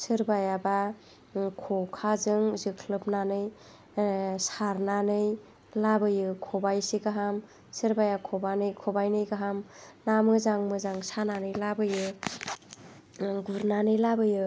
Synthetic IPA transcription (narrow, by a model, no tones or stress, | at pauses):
sɯɾbajaba | kʰɔkʰazɯŋzɯkʰlɯp̚nanɯj | saɾnanɯj | labɯjɯkʰɔbajsiɡaɦam | sɯɾbajakʰɔbanɯjkʰɔbajnɯjɡaɦamnamɯzaŋmɯzaŋsananɯjlabɯjɯ | ɡuɾnanɯjlabɯjɯ